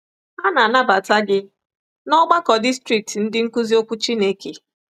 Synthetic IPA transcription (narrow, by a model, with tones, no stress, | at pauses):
a˦na˨na˦ba˨ta˦ɡɪ˦ | nɔ˦ɡ͡ba˦kɔ˨di˦stɾi˨k̚tn̩˦dɪ˦ŋ̩˦ku˦zi˦o˦kʷu˦t͡ʃi˦ne˦ke˨